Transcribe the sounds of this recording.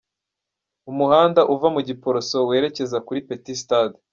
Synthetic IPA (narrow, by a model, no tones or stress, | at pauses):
umuhaːndaʔuvamuɟipo̞ɾoso̞we̞ːɾe̞ce̞zakuɾipetistad